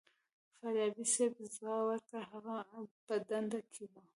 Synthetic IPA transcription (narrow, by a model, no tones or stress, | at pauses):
faɾjɑbisebzɑwaɾt̪aɦaɣapəd̪and̪akʰema